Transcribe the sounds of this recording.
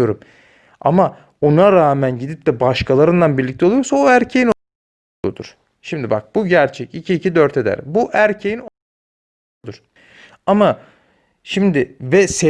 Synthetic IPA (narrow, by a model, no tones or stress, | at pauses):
o̞ɾum | a̰ma | o̞naɾaːmænɟid̪ip̚t̪ɛbaʃkʰalˠaɾɯnd̪ˠanbiɾlʲic̚t̪ʰoujoɾsaoæɾcʰejin | od̪ṵɾ̥ | ʃimd̪iba̰k̚b̥uɟæɾt͡ʃʰɛcicʰiːcʰid̪øɾt̪ʰe̞d̪æ̰ɾbuʔæɾcʰejino | d̪uɾ̥ | ama | ʃimd̪ɪvɛse